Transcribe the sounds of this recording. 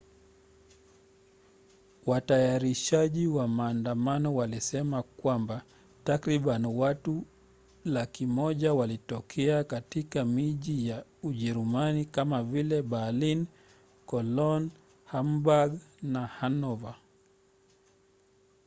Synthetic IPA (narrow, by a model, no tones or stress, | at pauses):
watajaɾiʃaʄiwamaːndamanɔwalisɛmakwamba | takɾiɓaniwatu | lakimɔʄawalitɔkʰɛakatikamiʄijauʄɛɾumanikamavilɛɓalin | kɔlɔn | hambaɡnahanɔva